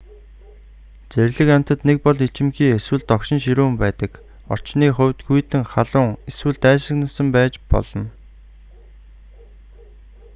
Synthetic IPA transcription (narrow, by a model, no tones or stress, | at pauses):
t͡seɾʲɮɘ̆kæm̥ʲt̪ə̆t̪nek̚pɔɮit͡ɕɪ̆mxiːeswɘ̆ɮt̪ːɔkʃɪ̆nʃiɾuːmpæːt̪ə̆k | ɔ̰r̥t͡ɕniːχʊ̟wʲt̪ɡujt̪ɘ̆ŋχaɮʊːŋeswɘ̆ɮt̪æːʃɮə̆knə̆sə̆mpæːt͡ɕpɔ̰ɮɞ̆n